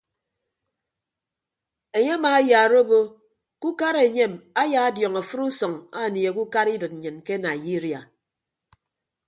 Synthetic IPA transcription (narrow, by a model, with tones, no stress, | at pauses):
e˨ɲe˦a˦maː˨˦ja˨ɾo˦bo˦ | ku˦ka˦ɾe˨ɲe˦˨ma˦ja˨a˦djɔ˨ŋa˨fɨ˦ɾu˦sɔ˨ŋa˦˨ni˨e˨ku˦ka˦ɾi˦dɨ˨t̚n̩˨ɲɨ˨nke˦na˨ji˦ɾi˨a˨